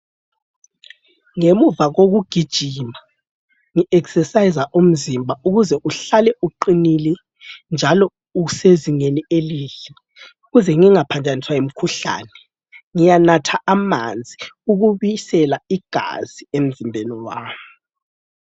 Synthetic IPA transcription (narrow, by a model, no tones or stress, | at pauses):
ŋemuvaɣoɣuɡ̥ʱid̥ʒ̥ʱima | ŋiʔɛksɛsajizaʔum̩zimbʱauɣuzɛʔuɬalɛʔuǃinilɛ | nd͡ʒʱalɔ | useziŋenieliːɬɛ | uɣuzɛŋiŋapʰand͡ʒʱʼaniswaim̩kʰuɬa̰ːnɛ | ŋijanatʰaʔama̰nd͡zʱiuɣuβisɛlaiɡ̥ʱa̰z̥iem̩zimbʱeniwaːmu